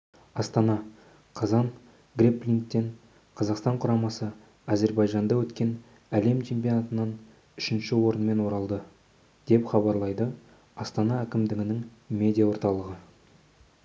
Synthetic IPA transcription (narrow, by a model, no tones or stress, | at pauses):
ɑst̪ɑnɑ | qʰɑzɑɴ | ɡrʲeplʲiŋkt̪ːeɴ | qʰɑzɑqst̪ɑɴqʰʊɾɑmɑsə | aze̞ɾbɑjʒɑnd̪ɑwɵt̪kʲe̞n | æle̞mt͡ʃʰe̞mpʲijo̞nɑt̪ənɑn | ʏʃɪnʃɪwo̞ɾənme̞nwo̞ɾɑlˠd̪ə | d̪̥e̞pχɑbɑɾlˠɑjd̪ə | ɑst̪ɑnɑækʲɪmd̪ɪɡʲɪnɪŋmʲe̞d̪ʲijawo̞ɾt̪ɑlˠəʁə